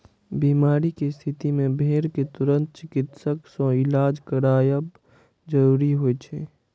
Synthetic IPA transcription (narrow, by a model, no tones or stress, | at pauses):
biːmaːɾikest̪ʰɪt̪imẽbʱeːɾket̪ʊɾə̃nt̪̚t͡ʃɪkɪt̪səksɔ̃ɪlaːd͡ʒkəɾaːjəb | d͡ʒəɾuːɾiɦoet͡ʃʰeː